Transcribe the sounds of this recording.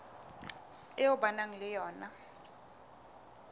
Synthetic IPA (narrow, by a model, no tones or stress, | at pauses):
ɛjɔɓanaŋilɛjɔːna